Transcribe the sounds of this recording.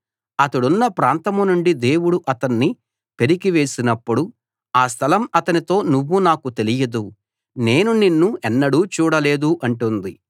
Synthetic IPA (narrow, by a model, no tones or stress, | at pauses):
ɐt̪ɐɽunːɐpɾaːnt̪ɐmunuɳɖid̪e̞ːwuɽuʔɐt̪ɐnːi | pe̞ɾiɡiʋe̞ːsinɐpːuɽu | aːst̪ʰɐlɐmɐt̪ɐnit̪o̞ːnuʋːunaːkut̪e̞lijɐd̪u | ne̞ːnuninːuɛnːɐɽuːt͡ʃuːɽɐle̞ːd̪uʔɐɳʈund̪i